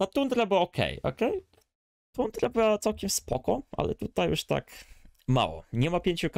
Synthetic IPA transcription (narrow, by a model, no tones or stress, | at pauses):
at̪und̪ɾabwaɔkʰɛ̰jɔ̰kɛj | t̪und̪ɾabɘwat̪sawkʲɛmspɔkɔʔa̰lɛ̰t̪ut̪ajṵʂt̪a̰kma̰wɔ̰ɲɛmapʲjeɲt͡ɕuk